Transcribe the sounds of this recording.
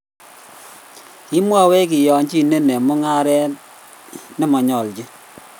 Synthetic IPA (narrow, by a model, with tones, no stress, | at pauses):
ki˦mwa˦wɛ˦k̬i˨jɔ˨ɲt͡ʃi˦ne˦nɛ˨mʊ˦ŋa˦ɾɛ˦ | ne˦mɔ˨ɲɔ˨ld͡ʒi˦